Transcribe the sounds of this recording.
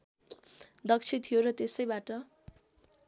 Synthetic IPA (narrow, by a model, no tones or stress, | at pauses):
d̪ʌk̚t͡ʃʰit̪ʰijoɾʌt̪esʌjbaʈʌ